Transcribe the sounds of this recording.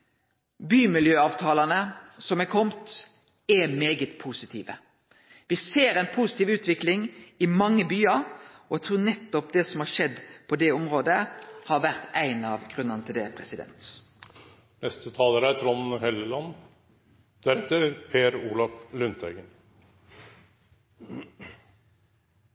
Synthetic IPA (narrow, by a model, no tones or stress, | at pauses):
byːmɪljøːɑːʋt̪ʰɑːlɑnəsɔmɛkʰɔmt̪ | ɛmeːɡət̪pʰusɪt̪ʰiːʋə̰ | ʋɪseːɾæɪnpʰusɪt̪iːʋʉːt̪ʋɪklɪŋɪmɑŋːəbyːɑɾɔɛt̪ʰɾuːnɛt̪ːɔpd̪ɛsɔmhɑɾʂɛd̪pʰɔd̪ɛɔmʁoːd̪əhɑʋæʁt̪æɪnɑʋɡʁʉnːəʁnət̪ʰɪld̪ɛpʰɾɛsɪd̪ɛ̰nt̪ | nɛst̪ət̪ʰɑːləɾəæt̪ʰɾɔnhɛləlɑn | d̪̥æɾɛt̪ːəpʰeːɾuːlɑflʉnt̪ʰæɡən